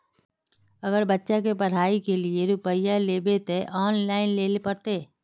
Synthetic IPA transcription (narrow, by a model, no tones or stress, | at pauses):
ɐɡəɾbətːʃak̬epɐɽ̤aːikelieɾʊpəjːaleːbet̪eʔɔːnlaːɪnleːlepəɾt̪eː